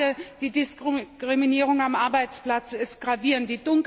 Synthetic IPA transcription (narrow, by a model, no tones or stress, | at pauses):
əd̥iːdɪskkʁ̥ɪminiːʁʊŋamʔaɐbaɪt͡spl̥at͡sɪst̚ɡ̥ʁaviːʁənd̥iːd̥ʊŋk